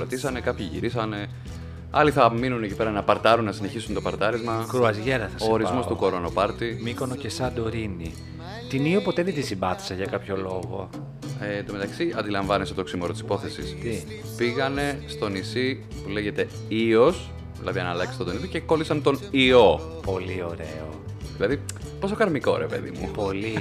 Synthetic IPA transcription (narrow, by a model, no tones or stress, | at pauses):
lot̪isɐne̞kɐpçiʝḭɾisɐne̞ | ɐliθɐminunecipe̞ɾɐnɐpɐɾt̪ɐɾunːɐsine̞çisunt̪o̞pɐɾt̪ɐɾizmɐkɾuɐzʝeɾɐθɐsosːɾizmo̞st̪uko̞ɾo̞nopɐɾt̪imiko̞nocesɐd̪oɾini | t̪iniopo̞t̪eðed̪isimbɐθi̥sɐʝɐkɐpço̞lo̞ɣo̞̰ | et̪ome̞t̪ɐksiʔɐnd̪ilɐɱvɐnesot̪oksimoɾot̪isi̥po̞θe̞sist̪i | piɣɐne̞st̪o̞nisi | pule̞ʝe̞t̪e̞ | io̞s | ðilɐ̰ðiɐnɐlɐksi̥t̪od̪oniðice̞ko̞lisɐnt̪o̞nio̞ | po̞lio̞ɾe̞̰oðilɐðipo̞sokɐɾmiko̞̰ɾepe̞̰ðḭmṵpo̞li